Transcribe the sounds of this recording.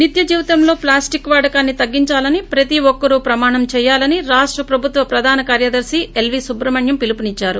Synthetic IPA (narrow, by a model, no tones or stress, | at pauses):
nit̪jɐd͡ʒiːʋɐt̪ɐmlo̞ːplaːsʈikːʋaːɖɐkaːnːit̪ɐɡːiɲt͡ʃaːlɐnipɾɐt̪iʋɔkːɐɾupɾɐmaːɳɐmt͡ʃɛːjaːlɐniɾaːʂʈɾɐpɾɐbʱut̪ʋɐpɾɐd̪ʱaːnɐkaːɾjɐd̪ɐɾsielʋisubɾɐmɐɳjɐmpilipunit͡ʃːaːɾu